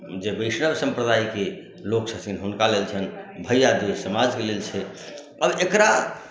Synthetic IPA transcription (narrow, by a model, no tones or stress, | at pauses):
d͡ʒebəjsnəbsə̃mpɾəd̪aike | loksəsʰinɦunkalelt͡ʃʰənbʱəjjad̪esəmad͡ʒkelelt͡ʃʰɛ | əbekɾa